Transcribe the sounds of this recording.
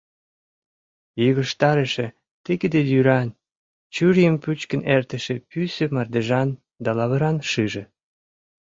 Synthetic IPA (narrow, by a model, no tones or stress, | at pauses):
jəɣə̆ʃt̪ɑɾəʃe | t̪ikəd̪ed̪yɾɑn | t͡ɕyɾjəmpyt͡ɕkə̆nert̪ə̆ʃepysømɑrd̪eʒɑn | d̪ɑlɑβə̆ɾɑnʃɨʒĕ